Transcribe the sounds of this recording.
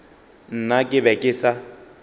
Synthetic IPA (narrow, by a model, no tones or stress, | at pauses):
n̩nakʼɪbɛkʼɪsa